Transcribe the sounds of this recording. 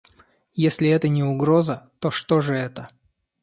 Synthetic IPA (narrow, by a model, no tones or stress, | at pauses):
jesʲlʲɪɛt̪ənʲɪʊɡɾo̞zət̪o̞ʂt̪o̞ʐɨɛt̪ə